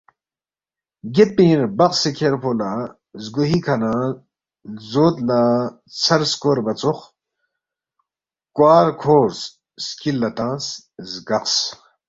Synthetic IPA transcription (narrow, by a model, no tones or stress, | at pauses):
ɡet̪̚pĩːɾbɐqsekʰeɾpʰolaː | zɡoɦiːkʰɐnãː | zoːt̪laː | t͡sʰɐɾskoːɾbɐt͡sux | kwaːɾkʰoːɾs | skilːɐt̪ãːs | zɡɐqs